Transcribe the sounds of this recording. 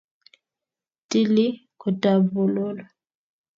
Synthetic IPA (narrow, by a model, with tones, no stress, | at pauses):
ti˦li˦ko˨ta˨bu˨lo˦lɔ˨